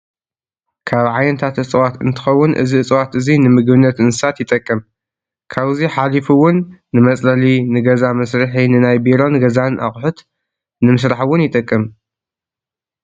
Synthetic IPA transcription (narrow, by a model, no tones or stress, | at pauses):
kʰaβʕajɪnt̪ʰat̪ɨt͡sʼwat̪ɨ̰nt̪ʰɨ̥xɐwːʊnʔɨ̰ziɨt͡sʼwat̪ʔɨzinɨmɨɡbɨnːɐt̪ɨnsɨsat̪jɪt̪ʼɐkʼːɨm | kʰaβziħalifuwʊnːɨmɐt͡sʼlɐlinɨɡɐzamɐsɾɨħinɨnajbiɾo̞nɡɐzanʔa̰χʼħʊt̪ | nɨmɨs̬ɾaħwːʊnjɪt̪ʼɐkʼːɨm